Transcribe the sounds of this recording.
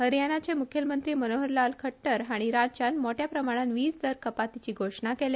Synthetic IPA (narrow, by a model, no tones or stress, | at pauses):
ɦəɾjañat͡ɕemukʰjəlmənt̪ɾiːmənoɦəɾlalkʰəʈːəɾɦaɽ̃iɾad͡ʑt͡ɕanmoʈjapɾəmaɽ̃anʋiːsd̪əɾkəpat̪ːit͡ɕiːɡʱoʂɳakele